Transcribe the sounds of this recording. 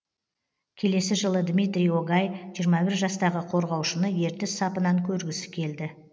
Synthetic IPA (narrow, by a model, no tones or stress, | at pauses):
kʲʰe̞le̞sɪʒəlˠəd̪mʲijt̪ɾʲijoɡɑjʒijəɾmɑbɪɾʒɑst̪ɑʁəqʰo̞ɾʁɑwʃənəje̞ɾt̪ɪsɑpənɑŋkʲʰɵɾɡʲɪsɪ̥kʲʰe̞ld̪ɪ